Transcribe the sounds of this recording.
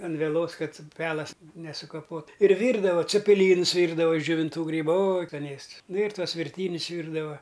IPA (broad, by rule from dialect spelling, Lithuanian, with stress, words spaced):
ɐn ʋʲɛˈlˠoːs ˈkɐt ˈpʲæːlˠɐs nʲɛsʊkɐˈpoːt ɪr ˈʋʲiːrdɐʋoː t͡sʲɛpʲɪˈlʲiːnʊs ˈʋʲiːrdɐʋɐ ɪʃ d͡ʒʲoːʋʲɪnˈtuː ˈɡrʲiːbʊ oː oːj skɐˈnʲeːsts nʊ ɪr ˈtuɔs ʋʲɪrʲˈtʲiːnʲʊs ˈʋʲiːrdɐʋɐ